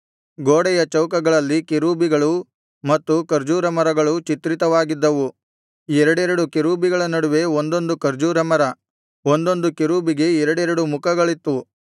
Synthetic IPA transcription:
ɡoːɽɛjɐt͡ʃɐwkɐɡɐɭɐlːikeɾuːbiɡɐɭu | mɐt̪ːukɐɾd͡ʒuːɾɐmɐɾɐɡɐɭut͡ʃit̪ɾit̪ɐʋaːɡid̪ːɐʋu | ɛɾɐɽɛɾɐɽukeɾuːbiɡɐɭɐnɐɽuʋe̞ond̪o̞nd̪ukɐɾd͡ʒuːɾɐmɐɾɐ | ond̪o̞nd̪ukeɾuːbiɡe̞ɛɾɐɽɛɾɐɽumukʰɐɡɐɭit̪ːu

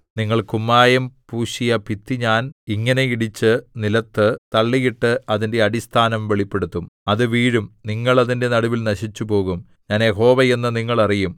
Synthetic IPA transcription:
niŋːɐɭkumːaːjɐmpuːɕijɐpit̪ːiɲaːniŋːɐne̞iɽit͡ɕːɨnilɐt̪ːɨt̪ɐɭːiɣiʈːɨʔɐðinde̞ɐɽist̪ʰaːnɐmʋe̞ɭipːe̞ɽut̪ːumɐðɨʋiːɻumniŋːɐɭɐðinde̞nɐɽuʋilnɐɕit͡ɕːupo̞ːɣum | ɲaːnjeɦo̞ːʋɐje̞nːɨniŋːɐɭɐrijum

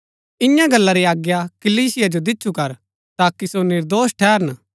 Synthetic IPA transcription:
ɪjãɡɐlːaɾiaːɡjakɐliːsɪjad͡ʒod̪ɪtːt͡ʃʰukɐɾ | t̪aːkisonɪɾd̪oːsʈʰɛːɾən

